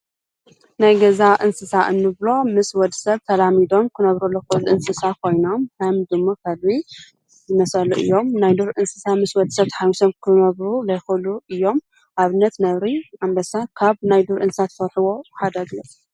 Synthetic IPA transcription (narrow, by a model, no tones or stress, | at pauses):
najɡɐzaʔɨnsɨsaʔɨnːɨβlo̞mɨswɔd̪ɨsɐβt̪ʰɐlamid̪o̞mkʰɨnɐβɾɐlːokɨɨlʔɨnsɨsakʰo̞jno̞mhɐmd̪ɨmːokʰɐlβi | zɨmɐsɐluʔɨ̰jːo̞mnajd̪uɾʔɨnsɨsamɨswɔd̪sɐβt̪ʰħajmusɐmkʰɨnɐβɾulɐjxɨluʔɨjːo̞m | ʔaβɨnːɐt̪nɐβɾiambɐsakʰaβnajd̪uɾʔɨnsɨsat̪fɐɾħɨwo̞ħad̪ɐɡlɐt̪